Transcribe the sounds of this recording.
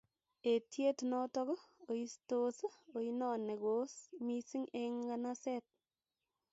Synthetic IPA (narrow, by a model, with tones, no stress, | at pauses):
e˨tje˦tnɔ˦tɔ˦ko˨i˦sto˦so˨i˦nɔ˦˨ne˨ɡo˦smi˦si˦ŋe˧ŋkana˦sɛ˦t̚